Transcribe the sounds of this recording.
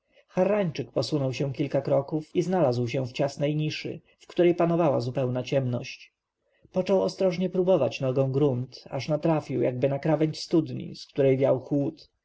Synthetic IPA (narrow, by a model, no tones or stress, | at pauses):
xaɾːaɲt͡ʂɘk̚pɔsunɔwɕɛ̃kʲilkakɾɔkufiznalazwɕɛ̃ft͡ɕasnɛjɲiʂɘ̰ | fkt̪uɾɛjpanɔvawa̰zupɛwnat͡ɕɛmnɔɕt͡ɕ | pɔt͡ʂɔwɔst̪ɾɔʐɲɛpɾubɔvat͡ɕnɔɡɔ̃w̃ɡɾunt̪a̰ʂnat̪ɾafʲiwjaɡ̚bɘnakɾavɛɲst̪ud̪ɲḭskt̪uɾɛjvʲjawxwut̪